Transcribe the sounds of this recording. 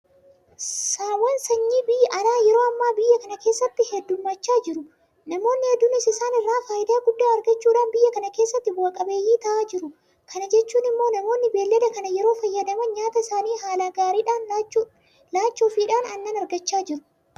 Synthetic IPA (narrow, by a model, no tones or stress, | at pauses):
saːwɐnsɐɲːiːbɪjʔɐnaːjɛɾo̞ːɐmːaːbɪjːɐkɐnɐke̞ːsːɐt̪ːɪhɛd̪ːʊmːɐt͡ʃːaːd͡ʒɪɾʊ | nɐmo̞ːnːɪhɛd̪ːʊnːɪsɪsaːnɪrːaːfaːjɪd̪ɐːɡʊd̪ːaːɐɾɡɐt͡ʃːuːᶑaːnbɪjːɐkɐnɐke̞ːsːɐt̪ːɪbɐːkʼɐbe̞ːjːiːt̪ɐʔaːd͡ʒɪɾʊ | kʰɐnɐd͡ʒɛt͡ʃːuːnɪmːo̞ːnɐmo̞ːnːɪbe̞ːlːɛd̪ɐkɐnɐjɛɾo̞ːfɐjːɐd̪ɐmɐnɲaːt̪ɐɪsaːniːɦaːlaɡaːɾiːᶑaːn | laːt͡ʃːoːfiːᶑaːnɐnːɐnɐɾɡɐt͡ʃːaːd͡ʒɪɾʊ̥